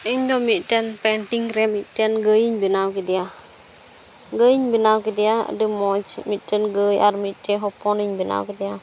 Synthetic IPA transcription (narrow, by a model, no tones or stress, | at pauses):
iɲd̪ɔmitɛnpɛntiŋɾɛmitɛnɡəjiɲbinawkid̪ia | ɡəjiɲbinawkid̪ia̰dəmɔt͡ʃmitɛnɡəja̰ɾmiteɦɔpɔniɲbina̰wkid̪ija